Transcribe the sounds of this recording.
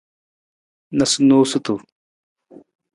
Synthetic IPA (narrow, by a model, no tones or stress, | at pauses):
nɐsnoːsut̪u